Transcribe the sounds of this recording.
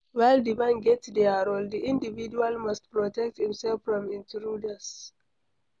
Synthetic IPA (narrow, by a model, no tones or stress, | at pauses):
wajldimãnɡɛtdɛaɹoldiʔĩndivid͡ʒualmast̚pɹɔtɛk̚thĩmsɛlfɹɔ̃mĩntɹudas